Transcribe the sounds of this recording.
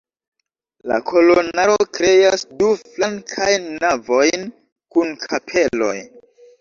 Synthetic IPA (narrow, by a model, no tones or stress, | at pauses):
la̰kʰo̞lonaɾokɾe̞asduflaŋkʰajnːavo̞jn | kunkʰapʰe̞lo̞̰j